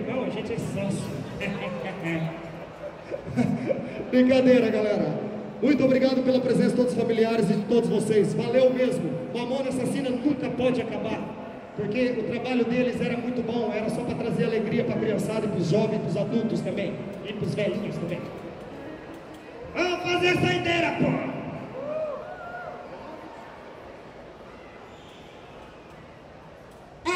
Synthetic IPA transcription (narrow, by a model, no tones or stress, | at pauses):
mɐ̃w̃ɐʒẽnt͡ʃɪɛsɐ̃sʊ | bɾĩkad̪eɾɐɡalɛɾɐ | mũj̃t̪ʊobɾiɡad̪ʊpelɐpɾezẽsɐɪod̪ʊsfamiliaɾɪzɪd͡ʒɪt̪od̪ʊzvosejsvalewmezmʊmõɐmɐ̃w̃nɐasasĩnɐnũkɐpɔd͡ʒɪakabaɾ | poɾkeʊt̪ɾabaʎʊd̪elɪzɛɾɐmũj̃t̪ʊbõw̃ɛɾɐsɔpɾɐt̪ɾazeɾaleɡɾiɐpɾɐakɾiɐ̃sad̪ʊɪpɾʊzʒɔvẽj̃spɾʊzad̪uwt̪ʊst̪ɐ̃mbẽj̃ɪpɾʊzvɛd͡ʒkẽj̃st̪ɐ̃mbẽj̃ | afazesɐĩd̪ɛjako